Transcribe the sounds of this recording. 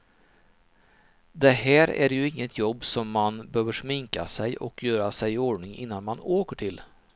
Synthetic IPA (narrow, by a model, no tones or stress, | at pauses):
d̪ɛɦæːɾæ̰ɾjɵɪŋːət̪ʰjɔbːsɔmːanbøːvəʂmɪŋka̰sɛjʔɔ̰kʰjœːɾasɛjoːɖɳɪŋɪ̰nːanmanoːkəʈʰɪl